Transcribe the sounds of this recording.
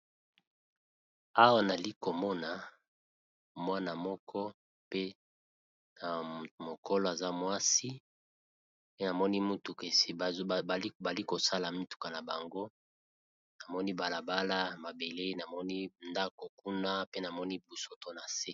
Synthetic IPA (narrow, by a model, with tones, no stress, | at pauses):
a˦wa˦na˨li˦ko˨mɔ˦na˨ | mwa˦na˨mɔ˦kʰɔ˦ | pe˦ | na˨mo˨ko˦lɔ˨˦a˨za˦mwa˦si˦ | pe˦na˨mɔ˦ni˦mu˦tu˨ke˨sba˨li˦ko˨sa˦la˨mi˦tu̥˨ka˨na˨ba˨ŋɡo˦ | na˨mɔ˦ni˦ba˨la˨ba˦la˦ma˨be˨le˦i˦na˨mɔ˦ni˦nda˦ko˨ku˦na˦pe˦na˨mɔ˦ni˦bu˨so˨to˨na˨se˦